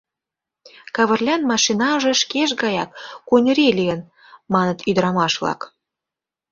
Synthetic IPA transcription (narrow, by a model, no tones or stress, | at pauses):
kɑβə̆rlʲɑnmɑʃinɑʒĕʃkeʃ̬ɡɑjɑkːunʲəɾʲelʲiə̆n | mɑnə̆t̪yd̪ɾɑmɑʃlɑ̰k